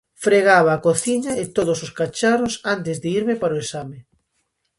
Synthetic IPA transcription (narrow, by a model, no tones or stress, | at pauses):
fɾeɣaβaːkoθiɲɐet̪oðʊsoskat͡ʃarosant̪ɪzðeiɾmɪpaɾoesamɪ